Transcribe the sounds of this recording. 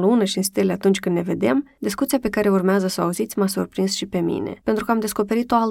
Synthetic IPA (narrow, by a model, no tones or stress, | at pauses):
lunəʃiɨnst̪eleat̪unt͡ʃʲkɨnne̞ve̞d̪e̞md̪iskut̪sijape̞kaɾe̞urmeazəsəa̰uzit̪sʲmasurpɾinsʃipe̞mḭne̞̰pe̞nt̪ɾukəamd̪e̞sko̞pe̞ɾit̪oal